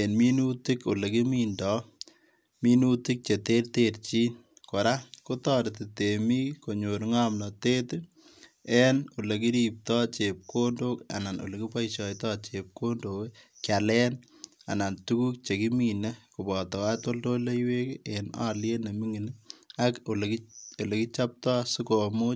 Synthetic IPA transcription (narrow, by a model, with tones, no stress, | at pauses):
enmi˦nuti˦ko˨le˨ki˦mindɔ˦ | mi˦nu˦ti˦k̚t͡ʃe˨te˦rtert͡ʃi˦n | ko˨ɾa˦ko˦tɔ˦ɾti˨temi˦ko˨ɲo˨ɾŋa˦mnɔ˨te˦t | ɛno˨le˨ki˦ɾip̚tɔ˦t͡ʃep̚kondoka̰˨na˨no̰˨leki˦pa˦jʃɔ˨jtɔt͡ʃep̚ko˦ndokkja˨lɛn | a̰˨na˨ntuku˦k̚t͡ʃe˨ki˦mine˦ku˨bɔtɔ˨wato˦ldo˦le˦jwe˦kena̰ː˦lje˦ne˨mi˦ŋi˨nako˨lko˨le˨ki˦t͡ʃap̚tɔː˦sʊ˦ko˨mo˦